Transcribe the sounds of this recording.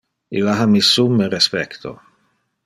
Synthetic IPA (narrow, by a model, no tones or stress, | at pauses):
ḭlːaɦamisumːeɾespɛkt̪ʰo̰